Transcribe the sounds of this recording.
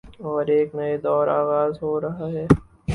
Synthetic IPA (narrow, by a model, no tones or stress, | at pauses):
ɔːɾeːknɐed̪ɔːɾa̰ːɣaːzɦoːɾɐɦaɦɛː